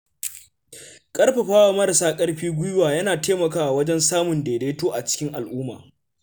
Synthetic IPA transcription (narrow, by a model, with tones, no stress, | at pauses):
kʼɐ˦rɸe˨ɸaː˦wa˨mɐ˦ɽa˨saː˦kʼɐ˦ɽɸiː˦ɡʷʊ˦jʊ˦waː˨jɐ˦naː˨teː˦mɐ˨kaː˦ʔwɐ˦d͡ʒɛ˦nsaː˦mʊ˨ndeː˨deː˦toː˦ʔa˨t͡ʃɪ̥˦kʲɪ˦ŋʔa˨lʔuː˦ma̰ː˨